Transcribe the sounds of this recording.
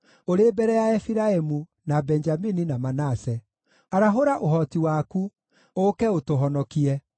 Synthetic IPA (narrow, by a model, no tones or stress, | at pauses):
oɾebɛɾɛjaɛfiɾaemu | nabɛɲd͡ʒamininamanasɛ | aɾaɦoɾaʔoɦɔtiwaːku | okɛotoɦɔnɔkiɛ